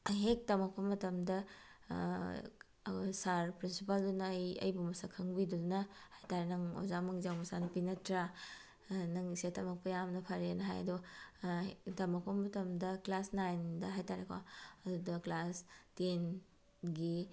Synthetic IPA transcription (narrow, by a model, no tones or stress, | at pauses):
ɦek̚tɐmɐk̚pɐmɐtɐmdɐ | saɾpɾinsipaldunɐjɐ̰jbumɐsakʰɐŋbidunɐhajtaɾenɐŋo̰zamɐŋzawmɐsanɐpinɐtɾa | nɐŋisetɐmɐk̚pɐjamnɐpʰɐɾenɐɦa̰jɐ̰dɔ | tɐmɐk̚pɐmɐtɐmdɐklasnajndɐɦajtaɾekʰa̰ɐdudɐklasten | ɡi